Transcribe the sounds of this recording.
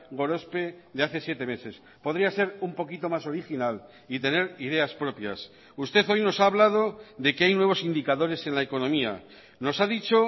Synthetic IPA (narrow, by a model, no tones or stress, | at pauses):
ɣo̞ɾo̞spe̞ðe̞aθe̞sjet̪e̞me̞se̞s | po̞ðɾiase̞ɾumpo̞kit̪o̞maso̞ɾixinal | it̪e̞ne̞ɾið̞e̞aspɾo̞pja̰s | ust̪e̞θo̞jno̞saːβlað̞o̞ðe̞keajnwe̞β̞o̞sind̪ikaðo̞ɾe̞se̞nlaeko̞nõ̞mia̰ | no̞saðit͡ʃo̞